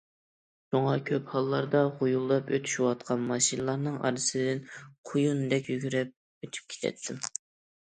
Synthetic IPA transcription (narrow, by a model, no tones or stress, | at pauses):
ʃuŋɑkʲʰøphɑlˠːɑɾd̪ɑʁojulˠːɑpø̰t̪ʰy̥ʃwɑt̪̚qʰɑnmɑʃinəlˠɑɾnɨŋɑ̰ɾɨsɪd̪ɪnqʰojunɨd̪ɛkʲjyɡʲyɾɛp̚ | øt̪ʰy̥p̚kʲʰe̥t̪ʰɛ̰t̪ʰːɪm